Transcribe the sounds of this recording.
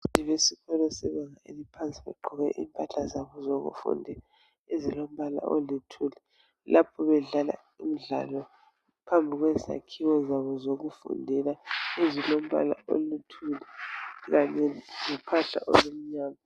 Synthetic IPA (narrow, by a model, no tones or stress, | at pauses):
tiβesikʰɔlɛsɛβaŋaḛlipʰant͡sʼiβɛ̰ɡ͡ǃʱɔɣɛ̰ʔḭmpʼaɬazaβɔzoɣṵfṵndʱɛla | ezilom̩βala̰ʔolitʰulɛ | lʔapʰɔβɛɮala̰ | im̩ɮa̰lɔ | pʰambʱiɣwɛza̰kʰiwɔzaβɔzoɣufṵndʱɛlaezilom̩βa̰la̰o̰litʰulɛɣaɲɛŋupʰaɬa̰ʔo̰lom̩ɲaːla